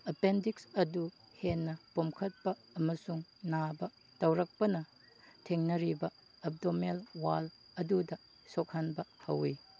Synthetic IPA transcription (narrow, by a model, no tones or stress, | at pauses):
ɐpendiksɐdu | henːɐpomkʰɐt̚pɐɐmɐsuŋnabɐ | tɐwɾɐk̚pɐnɐ | tʰeŋnɐɾibɐ | ɐp̚domelwalɐdudɐ | sok̚hanbɐhɐwi